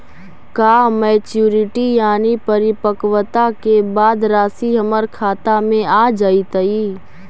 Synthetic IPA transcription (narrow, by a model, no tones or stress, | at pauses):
kaːmɛːt͡ʃjuːɾɪʈijaːnipəɾɪpəkwət̪akebaːd̪ɾaːsiɦəməɾkʰaːt̪amẽaːd͡ʒait̪əi